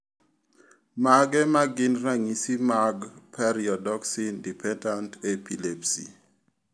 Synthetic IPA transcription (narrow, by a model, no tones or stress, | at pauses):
maɡɛmaɡɪnɾaŋisimaɡpʰɛɾiɔdɔksindipʰɛndantepilɛpsḭ